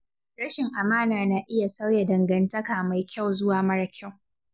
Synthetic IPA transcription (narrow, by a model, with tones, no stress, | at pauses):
ɾɐ˦ʃɪ˨ŋʔa˨maː˦naː˨naː˨ʔɪ˦ja˨sa˦wja˨dɐ˨ŋɡɐ˨ntɐ˦kaː˨ma˨jkʲa˦˨wzʊ˦waː˨mɐ˦ɽɐ˦kʲa˦˨w